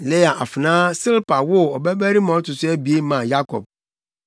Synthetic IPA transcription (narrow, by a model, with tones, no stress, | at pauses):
le˦ja˨ʔa˨fɪ˨nãː˦sɪ˦lpʰa˨wʊ˦ɔ˨bæ˦bæ˦ɾi˦mã˨ɔ˦tʊ˨sʊ˦æ˦bi˨e˦mã˨ja˦kʰɔ̰˨b̚